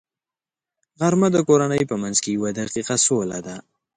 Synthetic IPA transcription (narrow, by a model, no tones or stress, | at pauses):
ɣaɾmad̪əkoɾanəjpəmanzkejawad̪aqiqasolad̪a